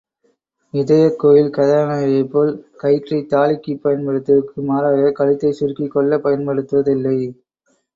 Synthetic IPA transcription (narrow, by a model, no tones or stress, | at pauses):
ɪðɐjɐkːoːjɪlkɐðɐnajɐɪpːoːlkɐɪʈrɐɪt̪aːlɪkːɯpːɐjɐnpɐɽɯt̪ːɯɯkːɯmaːɾaːɣɐkɐlɪt̪ːɐɪsʊrkikːɔɭːɐpɐjɐnpɐɽɯt̪ːɯʋɐðɪlːɐɪ